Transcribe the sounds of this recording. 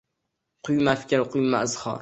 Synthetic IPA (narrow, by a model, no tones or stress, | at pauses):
qʰʊjmafkʲalqʰʊjma̰zhɒ̰ɾ